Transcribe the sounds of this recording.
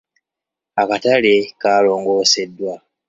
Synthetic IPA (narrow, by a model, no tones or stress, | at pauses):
akatalekaːlo̞ːŋɡo̞ːse̞dːwa